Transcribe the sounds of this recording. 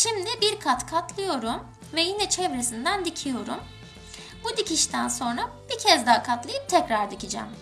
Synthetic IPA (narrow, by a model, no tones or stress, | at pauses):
ʃimd̪ɪbiɾkʰat̪kʰat̪ʰlˠɯjo̞ɾum | vɛjinɛt͡ʃʰɛvɾesind̪ænd̪icʰijo̞ɾum | bud̪icʰʲiʃt̪ʰænso̞nɾab̥icʰɛzd̪aɦkʰat̪lˠajɯp̚t̪ʰɛcɾaɾd̪icid͡ʒæ̰m